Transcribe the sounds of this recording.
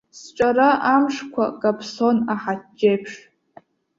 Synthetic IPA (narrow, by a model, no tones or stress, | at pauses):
st͡ʃʼaɾaʔamʂkʷʰa̰kʼapʰsonaħatd͡ʒe̞jpʰʂ